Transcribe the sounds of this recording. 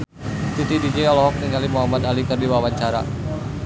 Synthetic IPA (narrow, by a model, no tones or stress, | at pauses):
t̪it̪idid͡ʒɛalɔɦɔk̚niŋalimuɦamad̪alikərdiwawaɲt͡ʃaɾa̰